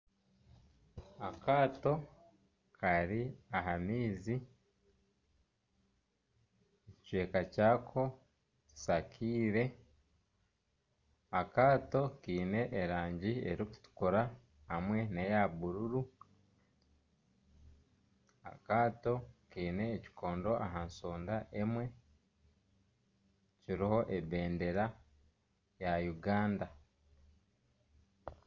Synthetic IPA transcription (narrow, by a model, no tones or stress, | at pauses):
akaːto̞ | kʰaɾiaɦamiːzi | eccwe̞ːkacaːkʰo̞ | tu̥sakʰiːɾe̞ | akaːto̞kiːne̞ʔːɾaːɲɟiḛɾiku̥tu̥koɾa | hamwe̞nejaβuɾuɾu | a̰kaːto̞kiːne̞ːci̥kʰo̞ːndo̞ʔaɦanso̞ːndaʔe̞mwe̞ | ciɾiho̞ʔebe̞ːnde̞ɾa | jajuɡaːnda